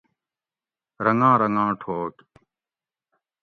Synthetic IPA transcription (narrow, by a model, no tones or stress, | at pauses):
ɾɐnãːɾɐŋãːʈʰoːk